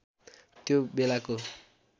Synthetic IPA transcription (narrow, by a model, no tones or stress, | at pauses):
t̪jobelako